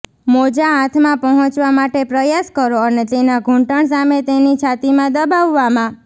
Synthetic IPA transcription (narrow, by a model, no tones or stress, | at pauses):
mod͡ʒaɦãt̪ʰmãpəɦɔ̃t͡ʃʋamaʈepɾəjaskəɾoənet̪enaɡʱũɳʈəɳs̬amet̪enit͡ʃʰat̪imãd̪əbaʋːamã